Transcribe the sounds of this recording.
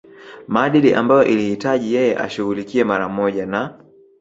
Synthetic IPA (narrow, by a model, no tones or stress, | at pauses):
maːɗiliʔa̰mbajɔʔilihitaʄijɛjɛʔa̰ʃuɣulikiɛmaɾammɔʄana